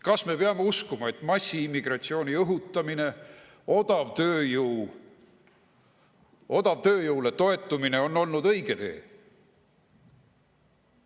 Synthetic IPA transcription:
kɑsme̞peɑme̞uskumɑe̞t̪ːˑmɑsʲːiimːiɡ̥rɑt̪sio̞ːnʲiɤɦut̪ˑːɑmine̞ | o̞d̪̥ɑvt̪øːjuw | o̞d̪̥ɑvt̪ø̞ːjowle̞t̪o̞e̞t̪ːˑumine̞o̞nːo̞lnud̪ɤ̞jɡ̥e̞t̪e̞̰ː

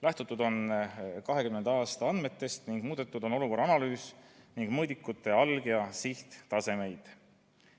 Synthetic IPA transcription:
læht̪ut̪ːˑud̪̥o̞nkɑɦe̞kymːe̞nd̪ɑːst̪ɑɑnd̪me̞t̪ːe̞st̪niŋɡ̥muːd̪̥et̪ːˑud̪̥ono̞luko̞rɑɑnɑlyːsniŋɡ̥mɤjd̪ikːˑut̪ːˑe̞ɑlɡ̥jɑsiht̪t̪ɑse̞me̞jd̪̥

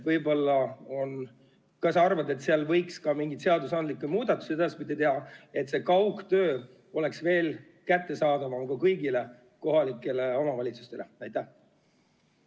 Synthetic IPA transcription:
vɤjbo̞lːɑo̞n | kɑsɑrvɑd̪e̞t̪ːseɑlvɤjkskɑmiŋɡit̪seɑd̪usɑnd̪likːˑemuːd̪̥ɑt̪ːˑu̥sieɑspit̪ːit̪eɦɑe̞t̪se̞kɑwkt̪ø̞ː | o̞le̞ksve̞ːl | kæt̪ˑːe̞sɑːd̪ɑvɑkɑkɤjɡ̥ile̞ | ko̞ɦɑlikːˑe̞le̞o̞mɑvɑlʲit̪su̥st̪e̞leæjt̪ːˑæh

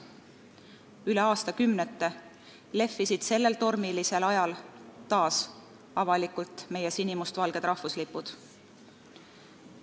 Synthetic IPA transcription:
yle̞ɑːst̪ɑkymnet̪ːˑe̞ | le̞fːisid̪̥se̞lːe̞lt̪o̞rmilise̞lɑjɑlt̪ɑːs | ɑvɑlikult̪ˑme̞jesinimust̪vɑlɡ̥e̞d̪̥ɾɑhfuslipːud̪̥

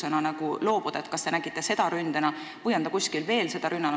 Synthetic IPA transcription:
enɑnɑɡulo̞ːb̥ud̪ɑet̪̚kɑst̪e̞næɡ̥it̪ːˑe̞se̞d̪̥ɑɾynd̪enɑ | vɯjɑnd̪ɑkusʲkilve̞ːlse̞d̪ɑɾynːɑn

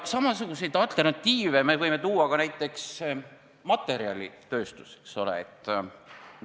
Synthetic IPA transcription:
sɑmɑs̬uɡ̥use̞jd̪̥ɑlt̪ˑe̞rnɑt̪ːiːveme̞vɤjme̞t̪uːɑkɑnæjt̪ˑːe̞ks | mɑt̪ːˑe̞ɾiɑ̰lʲḭt̪ø̞ːst̪u̥se̥kso̞lḛet̪ːˑ

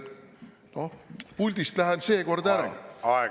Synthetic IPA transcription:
no̞hpulʲd̪̥ist̪læɦense̞ːko̞rd̪æɾɑ̰ɑ

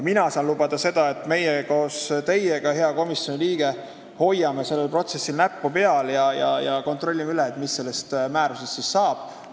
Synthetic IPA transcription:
minɑsɑːnlubɑd̪̥ɑse̞d̪̥ɑe̞t̪ːˑme̞jeko̞ːst̪e̞jeɡ̥ɑhe̞ɑko̞misjo̞niliːɡ̥e̞ | ho̞jːɑme̞se̞lːe̞lpro̞t̪se̞sːilnæpːupe̞ɑljɑjɑ̰jɑko̞nt̪ro̞lʲːimyleːt̪ːˑmisːe̞lːe̞st̪mæːɾuse̞st̪sisːɑːb̥̚

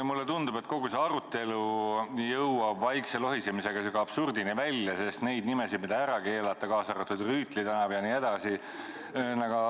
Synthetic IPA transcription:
mulːet̪und̪̥ub̥e̞t̪̚ko̞ɡ̥use̞ɑɾut̪ːˑe̞lujɤwɑbvɑjkselo̞ɦisemise̞ɡɑsekɑɑb̥surd̪inivælʲjɑse̞st̪ne̞jd̪̚nimesid̪̚mid̪̥ɑæɾɑke̞ːlɑt̪ːˑɑkɑːsɑɾɑt̪ːud̪ryːt̪ˑlit̪ænɑvjɑnie̞d̪̥ɑsi | nɑɡɑ

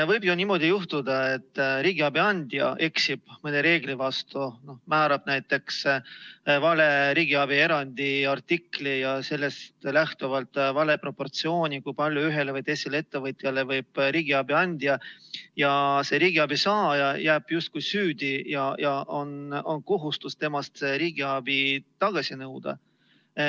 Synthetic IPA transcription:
vɤjb̥jonimo̞d̪̥ijuht̪ud̪ɑe̞t̪ːɾiːɡ̥iɑbiɑnʲd̪̥jɑ̰ʔe̞ksib̥mɤneɾe̞ːɡ̥livɑst̪uno̞hmæːɾɑb̥næjt̪ːˑe̞ks | vɑle̞ɾiːɡiɑbie̞ɾɑnʲd̪̥iɑrt̪ːiklijɑse̞lːe̞st̪læht̪uvɑlt̪ˑvɑle̞pro̞pːo̞rt̪sio̞ːnʲikujpɑlʲjuyɦe̞levɯjt̪esilee̞t̪ːe̞vɤt̪ˑjɑle̞vɤjb̥ɾiːɡ̥iɑbiɑnʲd̪̥jɑjɑse̞ɾiːɡ̥iɑb̥isɑːjɑjæːb̥just̪̚kujsyːd̪̥ʲijɑjɑʔono̞nko̞ɦust̪ust̪e̞mɑst̪eɾiːɡ̥iɑb̥it̪ɑɡ̥ɑsʲinɤwd̪̥ɑ̰

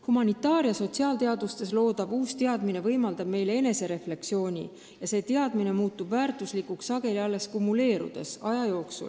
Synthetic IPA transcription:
humɑnit̪ːˑɑːɾjɑso̞t̪ʲsiɑːlt̪e̞ɑd̪ust̪e̞s̬lo̞ːd̪ɑb̥uːst̪e̞ɑd̪mine̞vɤjmɑld̪̥ɑb̥̚me̞jle̞e̞ne̞se̞ɾe̞fle̞ksio̞ːnʲḭ | jɑse̞ːt̪e̞ɑd̪̥mine̞muːt̪ːˑubvæːrt̪ˑuslikːˑuksɑɡ̥e̞liɑlːe̞skumːule̞ːɾṵd̪̥e̞̰sɑjɑjo̞ːksṵl

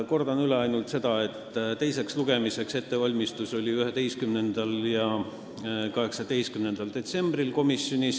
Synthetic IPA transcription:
ko̞rd̪ɑnyleɑjnult̪se̞d̪̥ɑe̞t̪ːˑt̪e̞jse̞ksluɡ̥e̞mise̞kse̞t̪ːe̞vɑlʲmist̪uso̞lʲiyɦe̞d̪e̞jskymne̞nd̪̥ɑljɑ | kɑɦe̞ksɑd̪̥e̞jst̪̚kymnend̪̥ɑld̪̥e̞t̪se̞mb̥rilko̞misˑjo̞nis

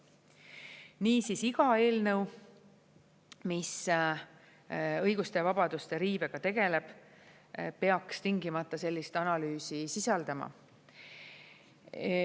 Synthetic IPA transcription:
niːsisiɡ̥ɑe̞ːlnɤ̞w | mis | ɤ̞jɡust̪e̞vɑb̥ɑd̪̥ust̪e̞ɾiːbe̞ɡ̥ɑt̪e̞ɡe̞le̞b̥ | pe̞ɑkst̪iŋɡimɑt̪ˑːɑse̞lʲːist̪ɑnɑlyːsisisɑld̪̥ɑmɑ̰

